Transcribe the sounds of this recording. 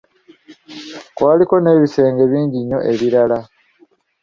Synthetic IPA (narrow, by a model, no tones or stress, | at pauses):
kwaːliko̞ne̞ːβise̞ːŋɡe̞βiːɲɟiɲːo̞ʔe̞βiɾala